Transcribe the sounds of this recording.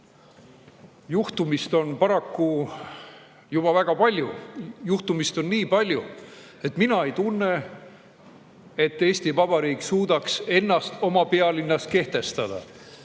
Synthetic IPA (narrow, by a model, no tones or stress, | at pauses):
juht̪umist̪o̞npɑɾɑkːu | jub̥ɑvæɡ̥ɑpɑlʲjujuht̪umist̪o̞nːiːpɑlʲju | e̞t̪ːˑminɑe̞jt̪unːe̞ | et̪ːe̞ːst̪ivɑbɑɾiːkːˑsuːd̪̥ɑkse̞nːɑst̪o̞mɑpe̞ɑlinːɑs̚ke̞ht̪e̞st̪ɑd̪̥ɑ̰